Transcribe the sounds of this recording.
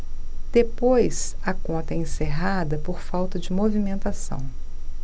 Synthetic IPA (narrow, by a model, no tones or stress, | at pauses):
d̪̥epojs | ɐkõnt̪ɐɛẽseɦad̪ɐpoɾfawt̪ɐd͡ʒɪmovimẽnt̪asɐ̰̃w̃